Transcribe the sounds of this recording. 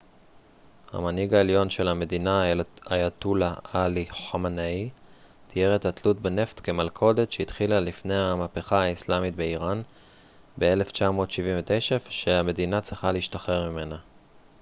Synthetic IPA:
ha̰maniɡaeljo̞nʃe̞lame̞dinaajatulaaliħamanai | t̪ʰijeʁetatlut̚bene̞ftke̞malkʰo̞de̞tʃeit̪χilalifne̞jhamape̞χaaislamit̪̚be̞iʁan | be̞e̞le̞ft͡ʃamo̞ːtʃiviɱvet̪eʃefʃe̞ame̞dinat͡sʁiχaleiʃtaχe̞ʁmime̞na

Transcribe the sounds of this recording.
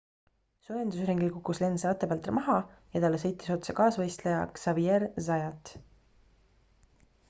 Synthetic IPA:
sujend̪usɾeŋɡilkukːˑusle̞nselɑt̪ːˑebɑlt̪ːˑrɑmɑɦɑjɑt̪ɑlːe̞sɤ̞jt̪ːˑi̥so̞t̪sɑkɑːsvɤjst̪lejɑ̰ksɑvierzɑjɑt̪

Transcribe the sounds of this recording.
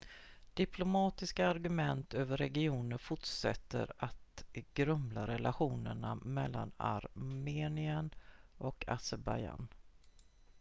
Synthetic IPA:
d̪̥ɪpʰlʊmɑːt̪ɪskaːɾɡɵmɛnt̪ʰøːvəɾːɛɡɪuːnəɾfʊʈʂɛt̪ːə̰ɾat̪ɡ̥ɾɵmlaɾɛlaɧuːnəɳamɛlːa̰na̰ɾmeːnɪənʔɔkʰasɛɾbaja̰n

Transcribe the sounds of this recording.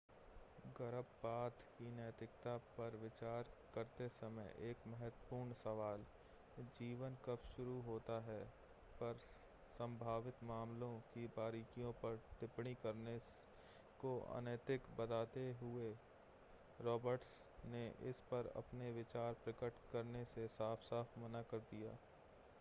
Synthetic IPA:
ɡɐɾəbːaːt̪kinəjt̪ɾɪkt̪apɐɾʋɪt͡ʃaːɾkəɾt̪esɐməjʔeːkmɛɦət̪wəpuːɾɳsɐʋaːl | d͡ʒiːʋənkɐpʃʊɾuɦoːt̪aɦɛː | pɐɾ | sə̃mbʱaːʋɪt̪maːmlõkibaːɾiːkijõpɐɾt̪ɪpɽ̃ikɐɾne | koʔɐ̰nəjt̪ɪkbɐd̪aːt̪eɦʊe | ɾɔːbəɾʈs | neʔɪ̰spɐɾɐ̰pneʋɪt͡ʃaːɾpɾɪkəʈkɐɾnesesaːfʰsaːfʰmɐnakɐɾd̪ijaː

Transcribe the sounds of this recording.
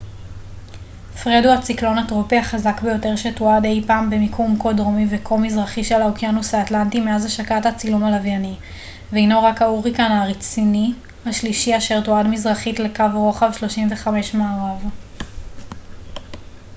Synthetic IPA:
fʁeduhat͡siklo̞natʁopiaχazakbejo̞te̞ʁʃetoade̞jpaːmbe̞mikʰumko̞dʁomivekʰomizʁaχiʃelaokjanusaːtlantimeazaʃakatat͡silumalavjani | veejnoʁakauʁikanaʁit͡sini | haʃliʃiaʃe̞ʁtoadmizʁaχitle̞kavʁo̞χavʃlo̞ʃimve̞χame̞ʃmaːʁav

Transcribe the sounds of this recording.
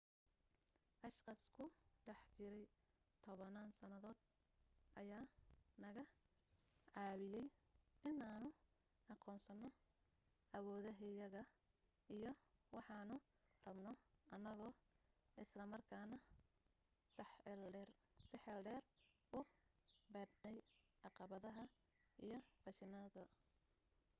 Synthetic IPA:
ʔɑʃqɐskʰʊɖɛħt͡ʃɪɾɛj | t̪ʰɔβɐnaːnsɐnɐðɔːd̪̥ | ʔɐjaːnɐɣɐ | ʕɑːβɪjɛjʔɪnaːnʊ | ɑqɔːnsɐnːɔ | ʔɐwɔːðɐɦɪjɐɣɐ | ʔijɔwɑħɑːnʊ | rɐbnɔʔɐnɐɣɔːʔɪslɐmɐrkʰaːnɐ | sɛrsɪħɛlɖɛːr | ʊbɐd̪nɛjʕɑqɑβɐðɐɦɐ | ʔijɔbɐʃɪnɐðɐ

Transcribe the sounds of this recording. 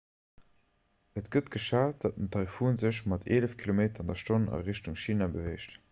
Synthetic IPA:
ʔətɡ̥ətɡ̥əʃaːt̚d̥ɑt̚əntʰɑɪfuːnzəʃmɑtʰeːləfkʰilomeːtɐɑndɐʃtonɑ̰ʁeɕtuŋʃiːnabəveɪʃt

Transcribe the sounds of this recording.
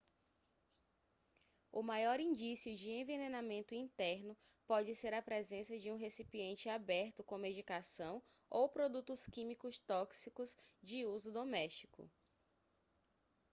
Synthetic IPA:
ʊmajɔɾĩd͡ʒisiʊd͡ʒɪẽvenenamẽnt̪ʊĩnt̪ɛɾnʊ | pɔd͡ʒɪseɾɐpɾezẽsɐd͡ʒɪũɦesipiẽnt͡ʃɪabɛɾt̪ʊkõmed͡ʒikasɐ̃w̃ | owpɾod̪ut̪ʊskĩmikʊst̪ɔksikʊzd͡ʒɪuzʊd̪omɛst͡ʃikʊ̰

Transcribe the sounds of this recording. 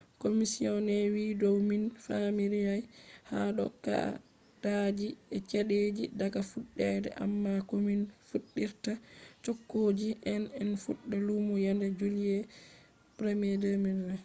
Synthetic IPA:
komisiɔnɛwidɔwminfamiɾijajhaɗɔ̰kːa̰ | d̥ad͡ʒiɛt͡ʃaɗed͡ʒidaɡafuɗːɛdɛ̰ʔa̰mːakɔminfuɗːiɾtat͡ʃɔkːoːd͡ʒiʔɛnɛnfuɗːɛlumɔjandɛd͡ʒulijɛ | pɾemiɛdɛminɛ

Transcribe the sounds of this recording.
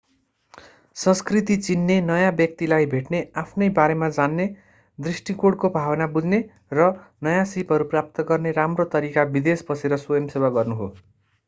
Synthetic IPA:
sʌ̃skrit̪it͡sinːenʌjãbjʌk̚t̪ilajbʱeʈneapʰnʌjbaɾemad͡zanːe | d̪risʈikoɽkobʱawʌnabud͡zne | rʌnʌjãsipɦʌɾuprap̚t̪ʌɡʌrneɾamrot̪ʌɾikabid̪esbʌseɾʌswojʌmsewaɡʌrnuɦo̰

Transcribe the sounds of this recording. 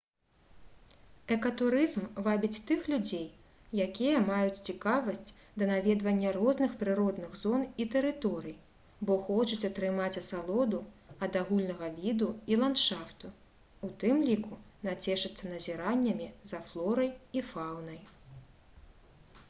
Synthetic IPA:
ɛkɐt̪uɾɨzmvabʲit͡sʲt̪ɨxlʲud͡zʲej | jakʲijɐmajut͡sʲt͡sʲikavɐsʲt͡sʲd̪ɐnavʲɛd̪vɐnʲːɐrɔznɨxpɾɨɾɔd̪nɨɣzɔnit̪ɛɾɨt̪ɔɾɨj | bɔxɔt͡ʃut͡sʲɐt̪ɾɨmat͡sʲɐsalˠɔd̪uɐd̪aɣulʲnɐɣɐvʲid̪uilˠant̪ʂaft̪u | ut̪ɨmlʲikunat͡sʲɛʂɨt̪sːɐnɐzʲiɾanʲːɐmʲizɐflˠɔɾɐjifawnɐj

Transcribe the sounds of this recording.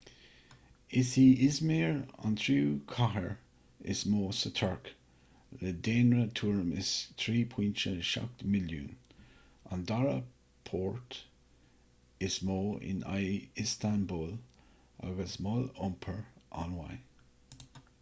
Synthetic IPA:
ɪsiːɪzmiːɹa̰nt̪ʰɾuːkʰaɦəɹ | ɪ̰smoːsət̪ʰəɹk | ləd̪eːnɹət̪ʰuːɹmɪst̪ʰɾiːpʰwint͡ʃəʃa̰k̚t̪mɪlṵːn | andaɹə | pʰoːɹt̪ | ɪsmoːɪ̰na̰jɪst̪ʰanbuːl | a̰ɡəsmolʊmpʰəɹʔa̰nwa̰j

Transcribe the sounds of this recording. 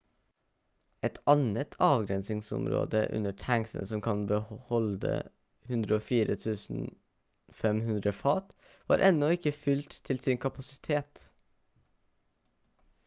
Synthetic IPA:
ʔɛt̪ʰɑnət̪ʰɑːʋɡɾɛnsɪŋsɔ̰mɾo̰ːd̪ə̰ʔʉ̰nəʈʰæŋsənəsɔmkʰɑnbəhɔld̪ə̰ | hʉnd̪ɾəoːfiːɾət̪ʰʉːsn̩ | fɛmhʉnd̪ɾəfɑːt̪ | ʋɑ̰ːɾʔɛnɔɪkəfʏlt̪ʰːɪlsɪŋkʰɑpɑsɪt̪ʰeːt̪

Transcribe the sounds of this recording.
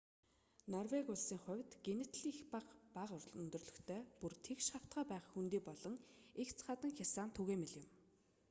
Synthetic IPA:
nɔrwekʊɮsiːŋχʊ̟wʲt̪ɡ̥enɪt̪ʰɮiːxpaqpaqrɵnt̪ɵ̆rɮɵ̆xt̪ʰœːpurt̪ʰekʃaw̥t̪ɢœːpæːχxunt̪iːpɔɮɞ̆ŋekt͡sʰχat̪ə̆ŋxʲasaːnt̪ʰuɣeːmeɮjɪ̆m

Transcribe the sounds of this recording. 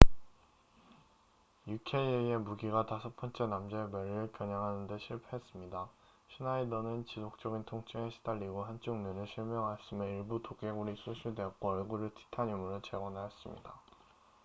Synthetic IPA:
jukʰe̞ieie̞muɡiɡatasʰʌpʰʌnt͡ɕ͈ʰenamd͡ʑemjʌɾiɾɯɭpjʌɲaŋɦanɯnde̞ɕʰiɭpʰeɦes͈ɯmɲida | ɕʰinaidʌnɯnt͡ɕisʰok̚t͡ɕ͈ʌɡintʰoŋt͡ɕ͈ʰeŋeɕʰi̥daʎːiɡoɦant͡ɕ͈ʰuŋnunɯɭɕʰiɭmjʌŋɦaɭs͈ɯme̞iɭbutok͈e̞ɡuɾisʰuɕʰudeʌkk͈oʌɭɡuɾɯɭtʰi̥tʰaɲumɯɾot͡ɕe̞ɡwʌnaes͈ɯmɲḭda

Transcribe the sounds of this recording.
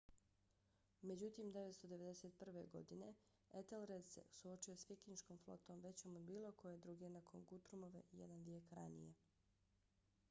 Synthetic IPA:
me̞d͡ʑut̪iːmd̪e̞ʋet̪st̪od̪e̞ʋe̞d̪eset̪̚pr̩ʋe̞ɡo̞̰d̪ine̞̰ | et̪elɾed̪sḛsuo̞t͡ʃio̞sfikiɲʃkomflˠo̰t̪o̞ːmʋe̞t͡ɕomobiːlˠo̞kʰo̞je̞d̪ɾuɡenakʰo̞̰nɡut̪ɾumo̞ʋḛjed̪anʋjeːkɾa̰nḭje̞

